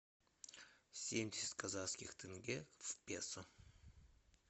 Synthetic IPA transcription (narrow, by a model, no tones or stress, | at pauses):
sʲemdʲɪsʲɪ̥t̪̚ʲkʰazaskʲɪχt̪ʰɪŋɡʲev̥pʲḛsə